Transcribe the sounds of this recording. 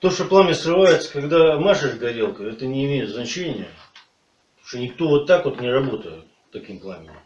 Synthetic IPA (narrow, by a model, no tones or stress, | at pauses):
t̪o̞ʂt̪oplˠamʲɪsrɨvajɪt̪sə̥kɐɡd̪amaʂɨʂɡɐɾʲelˠkəɛt̪ənʲɪːmʲejɪt̪znɐt͡ɕenʲɪjə | oʂt̪onʲɪk̚t̪o̞vo̞t̪ːakot̪nʲɪrɐbo̞t̪əjɪ̰t̪̚ | t̪ːɐkʲimplˠamʲɪɪ